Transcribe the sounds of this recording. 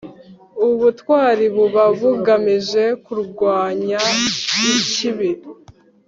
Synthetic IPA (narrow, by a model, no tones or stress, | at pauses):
uβutwaːɾiβuβaβuɡamiʒe̞kuɾɡwaːɲaiciβi